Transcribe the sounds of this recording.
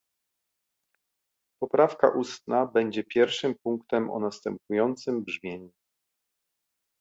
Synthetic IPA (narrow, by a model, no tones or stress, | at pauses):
pɔpɾafka̰ʔust̪nabɛɲd͡ʑɛpʲjɛɾfʂɘmpuŋkt̪ɛmʔɔ̰nast̪ɛmpujɔnt̪sɘmbʐmʲjeɲu